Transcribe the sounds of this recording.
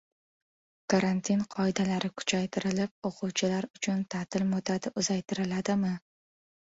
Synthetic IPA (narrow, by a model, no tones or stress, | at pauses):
kʰaɾant̪ʰinqʰɒɪd̪alaɾɪkʰʊ̥t͡ʃʰajt̪ʰɪɾɪlɪp̚oqʰʊwt͡ʃʰɪlaɾʊt͡ʃʰʊnt̪ʰat̪ʰɪlmot̪ʰad̪ɪʊzajt̪ʰɪɾɪlad̪ɪmɪ